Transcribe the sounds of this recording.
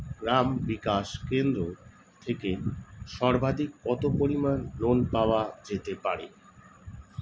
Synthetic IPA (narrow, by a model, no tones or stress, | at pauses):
ɡɾambikaʃkend̪ɾo | t̪ʰekeʃɔɾbʱad̪ʱik̚ːɔt̪opoɾimanːonpaoad͡ʑet̪epaɾe